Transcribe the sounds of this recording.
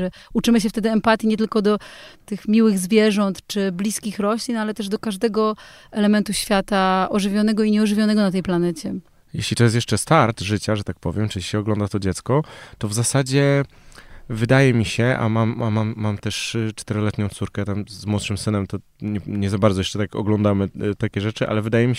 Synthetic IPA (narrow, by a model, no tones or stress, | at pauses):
ɛut͡ʂɘmɘɕ̬ɛft̪ɛd̪ɘɛmpat̪ʲjiɲɛt̪ɘlkɔd̪ɔt̪ɘxmʲiwɘɣzvʲjɛʐɔnt̪t͡ʂɘblʲiskʲixɾɔɕlʲinalɛt̪ɛʐd̪ɔkaʐd̪ɛɡɔɛlɛmɛnt̪uɕfʲjat̪aʔɔʐɘvʲjɔnɛɡɔiɲɛɔʐɘvʲjɔnɛɡɔnat̪ɛjplanɛt͡ɕɛ | jɛ̰ɕlʲit̪ɔjɛst̪jɛʂt͡ʂɛst̪aɾt̪ʐɘt͡ɕaʐɛt̪ak̚pɔvʲjɛmt͡ʂɘiɕɛɔɡlɔnd̪at̪ɔd͡ʑɛt̪skɔt̪ɔvzasad͡ʑɛ | vɘd̪ajɛmʲiɕɛʔa̰mamamamːamt̪ɛʂt͡ʂt̪ɛɾɔlɛt̪ɲɔ̃w̃t̪suɾkɛt̪amzmwɔt̪ʂɘmsɘnɛmt̪ɔ | ɲɛɲɛzabaɾd̪zɔjɛt͡ʂɛt̪akɔ̰ɡlɔnd̪amɘt̪akʲɛʐɛt͡ʂɘʔa̰lɛvɘd̪ajɛmʲi